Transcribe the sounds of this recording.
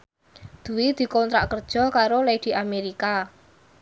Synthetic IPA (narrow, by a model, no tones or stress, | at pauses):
d̪̥ṳwid̪̥i̤kɔnt̪ɾakərd̥ʒ̥ɔ̤kaɾoled̪̥i̤ʔameɾika